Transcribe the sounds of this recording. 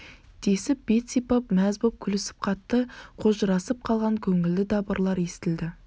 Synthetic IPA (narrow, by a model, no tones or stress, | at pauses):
d̪̥e̞sɪp̚bet̪sipɑpmæzbop̚kʲʰʏlɪsɪ̥p̚qʰɑt̪ːəqʰoʒɾɑsəp̚qʰɑlˠʁɑŋkʲʰɵŋɪld̪ɪd̪ɑbəɾlˠɑɾe̞st̪ɪld̪ɪ